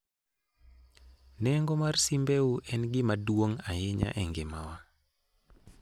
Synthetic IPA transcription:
nɛŋɡɔmarsimbeuʔɛnɡɪmadwoŋajɪɲa̰ʔɛŋɡɪma̰wa

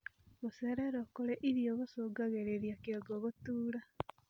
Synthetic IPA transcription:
ɣoseɾeɾokoleʔiɾjoɣosoːɡaɣeɾeɾjakeɡoɣotuːla

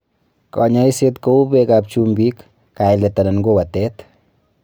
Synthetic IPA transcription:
kɔɲaiset̪koupekap̚t͡ʃumbikː | ajlet̪ːananɡowat̪et̪

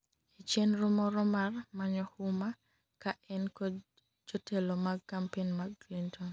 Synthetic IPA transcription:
it͡ʃjenɾomɔɾɔmarmaɲɔhʊma | kaʔɛnkɔ | d͡ʒotelomaɡkːampenmaɡːlintʰɔn

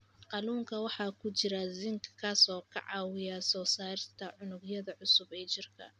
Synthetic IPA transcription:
qɑluːŋkʰɐwɑħɑːkʰʊt͡ʃɪɾɐzɪŋkʰkʰasɔːkʰɐ̰ʕɑ̰ːwɪjasɔːsaːɾɪst̪ʰɐʕʊnʊɡjɐðɐʕʊsʊbɛːt͡ʃɪrkʰɐ̰

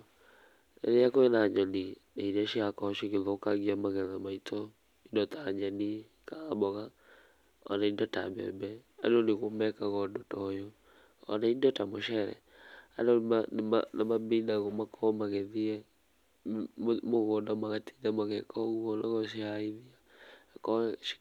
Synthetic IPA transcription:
ɛ̰nɛjakɔɛnaɲɔni | nainaʃiakɔʃiɣeðɔkaɣiamaɣɛnamaitʰɔ | indɔtaɲani | kaːbɔɣa | ɔ̰naindɔta̰bɛ̰bɛa̰dɔneɣomɛkaɣɔndɔtɔjɔ | ɔ̰naindɔtamɔʃɛɾɛ̰ | a̰dɔmanma̰namabinaɣɔmakʰɔmaɣɛðiɛ | moɣɔndamaɣatʰi̥ɲamaɣɛkʰɔɣuɔnaɣɔʃiaiðiakɔʃ

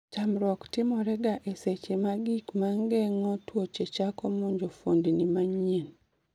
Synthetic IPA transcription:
tamɾwɔktɪmɔɾɛɡaʔeset͡ʃemaɡikmaŋɡɛŋɔtwot͡ʃet͡ʃakɔmɔɲd͡ʒɔfondinimaɲin

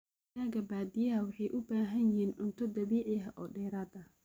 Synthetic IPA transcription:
jaːɡɐbaːd̪ɪjɐɐwɑħɑjʔʊbaːɦɐnjɪhiːnʊnt̪ʰɔd̪ɐβiːʕɪɦɐʔɔːɖɛːɾaːd̪ɐ

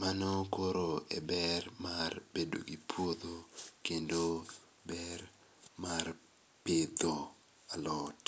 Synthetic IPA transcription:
manokoɾoḛbɛrmarbedo̰ɡipʰwod̪okendo | bɛr | mar | pɪd̪o | alɔt

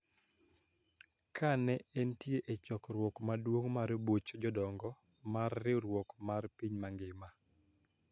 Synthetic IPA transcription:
kʰanɛɛntjeʔet͡ʃɔkɾwɔkmadwoŋmaɾbot͡ʃd͡ʒɔdɔŋɡɔ | marːɪɾwɔkmarpiɲmaŋɡɪma

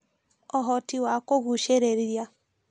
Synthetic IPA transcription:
ɔɦɔtiwakoɣuʃeɾeɾja

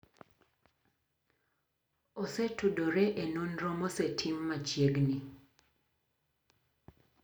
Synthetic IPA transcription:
osetudoɾɛʔenonɾɔmɔsetʰɪmːat͡ʃjeɡnɪ

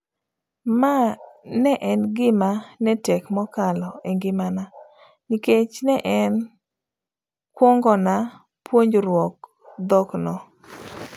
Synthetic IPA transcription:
manɛʔɛnɡɪmanɛtɛkmɔkalɔeŋɡɪmana | niket͡ʃnɛʔɛn | kwɔŋɡɔna | pwoɲd͡ʒɾwɔk | d̪ɔknɔ

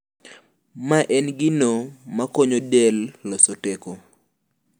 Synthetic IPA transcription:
maʔɛnɡɪnomakoɲodɛlːɔsoteko

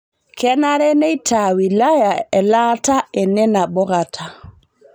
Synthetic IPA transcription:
kɛnaɾɛnɛjtʰawilajaɛlataɛnɛnabɔɡatʰa

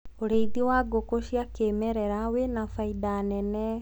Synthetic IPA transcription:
oɾeiðiwaɡokoʃiakemɛɾɛɾawenafaidanɛnɛ

